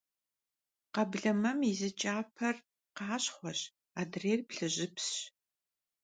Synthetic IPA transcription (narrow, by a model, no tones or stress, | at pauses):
qɐbɮɐmɐmizɨt͡ʃʼaːpʰɐr | qɑːɕχʷɔɕ | aːdreːrpɬɨʑɪps